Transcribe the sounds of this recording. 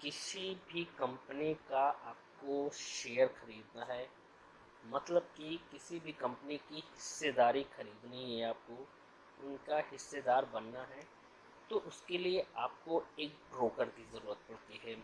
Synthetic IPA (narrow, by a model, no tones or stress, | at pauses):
kɪsibʱikɐ̃mpənikaaːp̚koʃeːəɾxɐɾiːd̪naɦɛː | mɐt̪ləb̚kikɪsibʱikɐ̃mpənikihɪsːed̪aːɾixɐɾiːd̪niɦɛaːp̚ko | ʊnkahɪsːed̪aːɾbɐnːaɦɛː | t̪oʔʊskelieaːp̚koeːk̚bɾoːkəɾkizɐɾuːɾət̪̚pɐɽt̪iɦɛː